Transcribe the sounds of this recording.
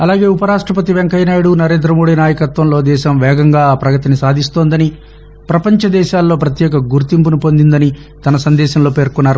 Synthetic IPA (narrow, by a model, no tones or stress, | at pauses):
ɐlaːɡe̞ːupɐɾaːʂʈɾɐpɐt̪̬iʋeŋkɐjnaːjuɽunɐɾe̞ːnd̪ɾɐmo̞ːɽinaːjɐkɐt̪ʋɐmlo̞ːd̪ɛːʃɐmʋɛːɡɐŋɡaːpɾɐɡɐt̪inisaːd̪ʱist̪o̞ːnd̪ɐni | pɾɐpɐɲt͡ʃɐd̪ɛːʃaːlːo̞ːpɾɐt̪jɛːkɐɡuɾt̪impunupo̞nd̪ind̪ɐni | t̪ɐnɐsɐnd̪ɛːʃɐmlo̞ːpe̞ːɾkunːaːɾu